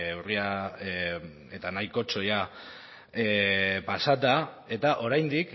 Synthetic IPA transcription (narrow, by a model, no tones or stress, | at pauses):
uria | et̪anajko̞t͡so̞ja | epasat̪a | e̞t̪aʔo̞ɾajnd̪ik